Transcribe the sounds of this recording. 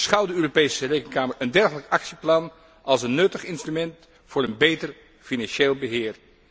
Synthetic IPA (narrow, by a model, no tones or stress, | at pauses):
sχɑwdəøːropejsərejkənkaːməɹəndɛɹχələkɑksiplɑn | ʔɑlˠsənːɵtəχɪnstrymɛnt | fʊːɾənbejtər | finɑnʃeːlˠbəɦɪːɹ